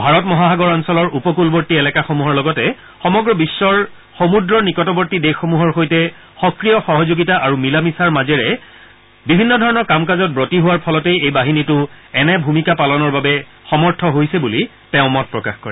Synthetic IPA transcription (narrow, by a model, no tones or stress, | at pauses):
bʱaɹɔtmɔɦaɦaɡɔɹɔnsɔlɔɹʔupɔkulbɔɹtiɛlɛkaxomuɦɔɹlɔɡɔtɛ | xɔmɔɡɹɔbisːɔɹ | xomudɹɔnikɔtɔbɔɹtidexːomuɦɔɹxojtɛ | xɔkɹijɔxɔɦɔzoɡitaʔaɹumilamisaɹmazɛɹɛ | bibʱinːɔdʱɔɹɔnɔɹkamkazɔt̚bɹotiɦʊwaɹpʰɔlɔtejejbaɦinitʊɛnɛbʱumikapalɔnɔɹbabɛ | xɔmɔɹtʰɔɦojsɛbuli | tɛʊ̃mɔt̚pɹɔkaxkɔɹɛ